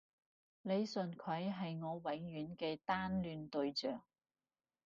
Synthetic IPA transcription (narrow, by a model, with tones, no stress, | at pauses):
ne˨˧jsɵ˨nkʰɐ˨˥jɦɐ˨jŋɔː˨˧wɐ˨˥ŋjyː˨˥nkɛː˧t̪aː˥nlyː˨˧nt̪ɵ˧ɥt͡sœː˨ŋ̚